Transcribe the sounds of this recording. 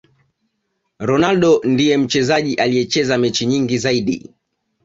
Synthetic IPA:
ɾɔnalɗɔndijɛm̩t͡ʃɛzaʄiʔalijɛt͡ʃɛzamɛt͡ʃiɲiŋɡizaiɗḭ

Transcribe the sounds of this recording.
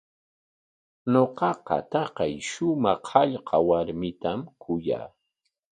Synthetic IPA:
ɲoqɑqɑ̰t̪ɑqɑjʃʊmɑχɑʎqʰɑwaɾmɪt̪amkʰʊja̰ː

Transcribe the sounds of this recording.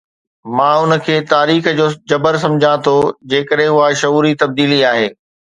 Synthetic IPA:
mãːʊnə̆kʰeːt̪aːɾiːxd͡ʑoːd͡ʑɐbəɾsɐ̃md͡ʑʱãt̪ʰod͡ʑeːkəɗɦẽʊɦaʃɐuːɾit̪ɐb̚d̪iːliaːɦeː

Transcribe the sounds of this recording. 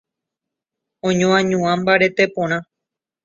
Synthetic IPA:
õɲõãɲũãmbaɾe̞t̪epõɾ̃ã

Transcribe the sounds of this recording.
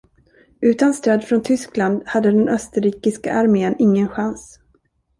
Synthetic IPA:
ʉ̟ːt̪anst̪øːd̪fɾɔnt̪ʰʏskland̪had̪ːəd̪ɛnʔœst̪əɾiːkɪska̰ʔaɾmeːnɪŋːənɧans

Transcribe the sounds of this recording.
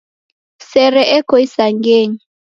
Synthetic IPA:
sɛɾɛʔɛkʰoisaŋɡeːɲi

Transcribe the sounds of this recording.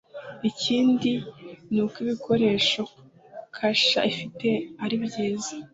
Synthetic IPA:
iciːndinuːkiβikʰo̞ɾe̞ːʃo̞ | kʰaʃa̰ifite̞aɾiβɟiːzḁ

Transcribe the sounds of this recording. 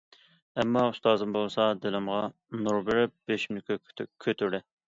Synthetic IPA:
ɛmːɑust̪ɑːzɨmbolˠsɑd̪ɪlɪmʁɑ | nuɾbɪɾɪp̚b̥eʃmynkʰʲykʲʰøt̪ʰyɾlɛ

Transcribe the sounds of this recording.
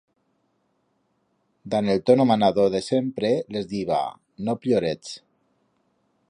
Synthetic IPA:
d̪anelˠt̪onomanaðoðesempɾelezðiβa̰ | nopʎjoɾet͡s

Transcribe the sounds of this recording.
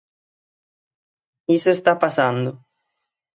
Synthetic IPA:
isʊest̪apasand̪ʊ

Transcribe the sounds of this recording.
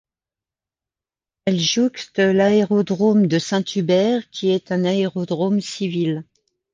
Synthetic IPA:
ɛlʒukt̪əlaeʁɔd̪ʁomd̪əsɛ̃t̪ʰybɛʁkʲiɛt̪ɛ̃naeʁɔd̪ʁomsivil

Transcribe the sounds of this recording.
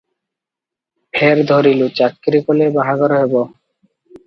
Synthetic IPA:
pʰeɾd̪ʱoɾilut͡ɕakːɾikolebaɦaɡɔɾoɦebo

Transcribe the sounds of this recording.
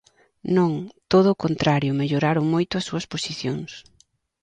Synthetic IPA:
nõŋt̪oð̞ʊːkont̪ɾaɾjʊmeʎoɾaɾoŋmojt̪ʊɐsːuɐsposiθjoŋs

